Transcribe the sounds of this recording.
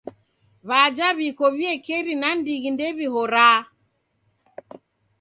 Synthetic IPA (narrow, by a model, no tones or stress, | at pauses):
βad͡ʒaβikɔβiɛkɛɾinandiɣindɛβiɦɔɾaː